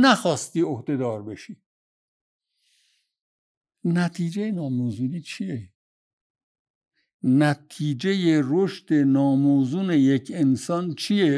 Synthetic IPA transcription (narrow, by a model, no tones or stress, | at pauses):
næxɒːst̪iːohd̪e̞d̪ɒːɾbe̞ʃiː | næt̪ʰiːd͡ʒejenɒːmoːzuniːt͡ʃʰije | næt̪ʰiːd͡ʒe̞jeɾoʃd̪̥e̞nɒːmoːzuːne̞jekʰe̞nsɒːnt͡ʃʰije